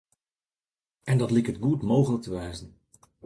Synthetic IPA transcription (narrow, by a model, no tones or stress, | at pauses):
ɛndɑtlikətɡutmowχələk̚təʋɛjzən